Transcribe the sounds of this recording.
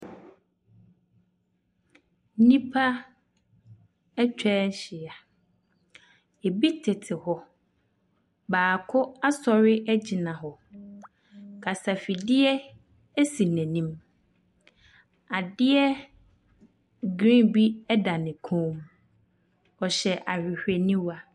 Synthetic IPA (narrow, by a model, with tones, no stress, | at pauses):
nĩ˦pʰa˦ | ɛ˦t͡ɕʰᶣɛː˦ɕɪ˨a˨ | e˨bi˦tʰɪ˨tʰɪ˨hɔ˨ | baː˨kʰʊ˦a˦sɔ˨ɾɪ˦ʔæ˦d͡ʑi˨nã˨ɦɔ˨ | kʰa˨sa˨fi˨dɪ˦ɛ˦ | ɛ˦si˨nɛ̃˨nĩ˦m | a˨dɪ˦ɛ˦ | ɡɾĩ˦bi˦ɛ˦da˨nɪ̃˨kʰõː˦m | ɔ˨ɕɛ˨ʔa˨hᶣɪ˨hᶣe˨nĩ˦wa˦